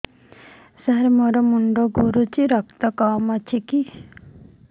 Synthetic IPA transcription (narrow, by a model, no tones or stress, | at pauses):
saɦɾemɔɾɔmuɳɖoɡuɾut͡ʃiɾɔkt̪ɔkamat͡ʃʰiki